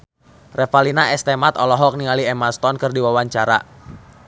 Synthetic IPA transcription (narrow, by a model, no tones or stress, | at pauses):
rɛfalinaɛst̪ɛmat̪ɔlɔɦɔk̚niŋaliɛmast̪ɔnkɨrdiwawaɲt͡ʃaɾa̰